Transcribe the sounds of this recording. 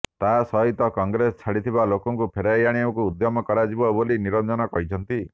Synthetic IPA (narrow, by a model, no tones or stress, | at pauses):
t̪asɔɦit̪ɔkɔŋɡɾesɔ̥t͡ʃʰaɽit̪ʰiβalokɔŋkupʰeɾajaɽ̃iɔkuːd̪jɔmɔkɔɾad͡ʒibɔboliniɾɔnd͡ʒɔnɔkɔɦit͡ʃʰɔnt̪i